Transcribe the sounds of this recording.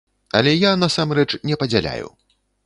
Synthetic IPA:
ɐ̰lʲɛjanasamɾɛt͡ʂnʲɛpɐd͡zʲalʲa̰jṵ

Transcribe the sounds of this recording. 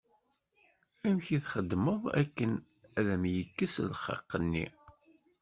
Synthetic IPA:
æmçiθχəd̪ːməðˤæ̰kːən | æðæmjəkːəslχə̰qːənːḭ

